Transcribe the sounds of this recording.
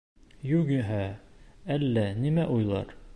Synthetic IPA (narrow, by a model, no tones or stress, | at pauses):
jʉɡɘ̆ɦæælːænimæʔujlˠɑ̰ɾ